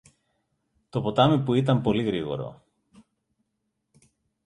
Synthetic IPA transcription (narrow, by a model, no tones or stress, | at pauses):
t̪o̞po̞t̪ɐmipuit̪ɐmpo̞liɣɾiɣo̞̰ɾo̞̰